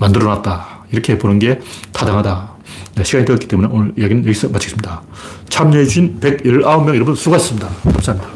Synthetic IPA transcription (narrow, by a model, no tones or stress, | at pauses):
mandɯɾʌnat̚t͈a | iɾʌkʰe̞bonɯnɡe̞tadaŋɦada | neɕʰiɡaɲidejʌtkit͈e̞mune̞onɯɭijaɡinɯnjʌɡis͈ʌmat͡ɕʰɡe̥s͈ɯmɲida | t͡ɕʰamɲeed͡ʑuɕinpe̞ɡiɭaomjʌŋjʌʌmbunsʰuɡais͈ɯmɲidakʰams͈amɲida